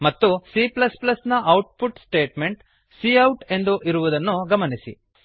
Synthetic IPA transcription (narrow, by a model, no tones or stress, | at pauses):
mɐt̪ːusiplɐsplɐsnɐʔɐwʈ̚puʈsʈe̞ːʈme̞ɳʈ | siɐwʈe̞nd̪uʔiɾuʋud̪ɐnːuɡɐmɐnisḭ